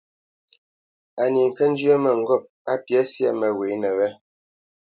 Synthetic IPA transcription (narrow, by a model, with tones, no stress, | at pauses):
a˨ni˨ŋ̩˨kɛ˦n̩˦d͡ʒɥə˦mɛ˨ŋ̩˨ɡɔ˦˨p̚a˦pjɛ˨˦sjɛ˦˨mɛ˨we˨˦nɛ˨wɛ˦